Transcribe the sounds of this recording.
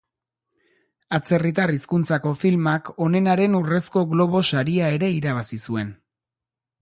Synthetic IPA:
at͡se̞rit̪̬ariskunt͡sako̞filmako̞ne̞naɾe̞nure̞sko̞ɣlo̞β̞o̞saɾiae̞ɾe̞iɾaβ̞asisue̞n

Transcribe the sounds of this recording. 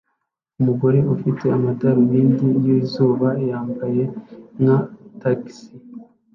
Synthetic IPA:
umuɡo̞ɾe̞ufite̞amataɾumiːndijiːzuːβaejaːmbaje̞nataksi

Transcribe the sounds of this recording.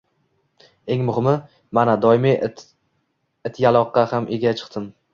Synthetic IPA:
e̞ŋmʊhɪmɪ | manad̪ɒɪmi | ɪt̪ʰjalˠɒqːɑhamʔeɡʲat͡ʃʰɨ̥qt̪ɪm

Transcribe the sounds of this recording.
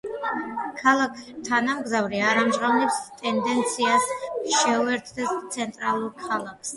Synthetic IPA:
kʰalˠakʰt̪ʰanamɡzavɾiaɾamʒʁavnɛpst̪ʼɛnd̪ɛnt̪sʰiasʃɛuɛɾt̪ʰd̪ɛst̪sʰɛnt̪ʼɾalˠuɾkʰalˠakʰs

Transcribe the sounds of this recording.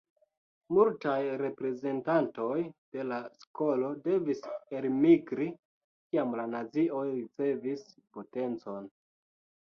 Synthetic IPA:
multajɾe̞pɾe̞ze̞ntanto̞jd̥e̞lasko̞lo̞de̞viselmiɡɾi | kiamlanat͡siʔo̞jɾit͡se̞vispo̞te̞nt͡so̞n

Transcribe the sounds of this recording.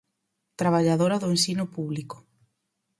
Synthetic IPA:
t̪ɾaβaʎaðoɾaðʊensinʊpuβliko̥

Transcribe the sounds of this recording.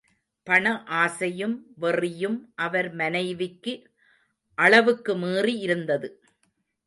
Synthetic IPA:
pɐɳɐʔaːsɐjɯmʋɛrɪjɯmʔɐʋɐɾmɐnɐɪʋɪkːɯ | ʔɐɭɐʋɯkːɯmiːriɪɾɯnd̪ɐðɯ

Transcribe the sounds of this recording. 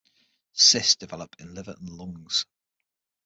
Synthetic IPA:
sɪsd̥ɪvɛləpɪ̃nlɪvəʔə̰̃nlʊ̃ŋz̥

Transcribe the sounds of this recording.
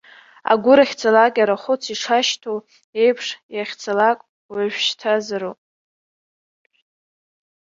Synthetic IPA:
a̰ɡʷʊɾaχʲt͡sʰalakʲʼaɾaχʷʊt͡sʰiʂʰaʃtʰo | e̞jpʰʂjaχʲt͡sʰalakʷʼ | waʒᶣʃtʰazaɾo

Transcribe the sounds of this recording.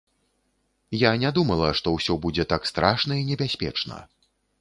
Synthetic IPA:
janʲad̪umɐlˠɐʂt̪ɔwsʲɔbud͡zʲɛt̪akst̪ɾaʂnɐinʲɛbʲasʲpʲɛ̰t͡ʂnɐ̰

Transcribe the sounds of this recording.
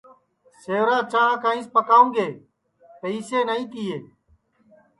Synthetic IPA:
seːʋɾãːt͡ʃaɳãːkaːĩːspəkaːũːŋɡeː | pəiːseːnəĩːt̪iːeː

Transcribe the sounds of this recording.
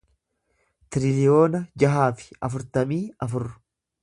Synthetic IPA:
t̪ɪɾɪlɪo̞ːnɐd͡ʒɐɦaːfɪ̥ɐfʊɾt̪ɐmiːɐfʊrːʊ̥

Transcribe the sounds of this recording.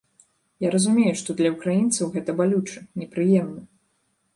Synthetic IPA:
jaɾɐzumʲejuʂt̪ɔd̪lʲɐukɾajint̪sɐwɣɛt̪ɐbalʲut͡ʂɨnʲɛpɾɨjɛmnɐ

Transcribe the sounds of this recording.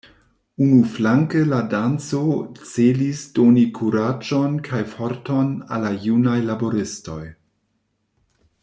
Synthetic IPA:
unuflaŋkəladant͡sot͡selisd̥onikʰuɾad͡ʒonkʰajfoɾtona̰lajunajlaboɾɪsto̞j

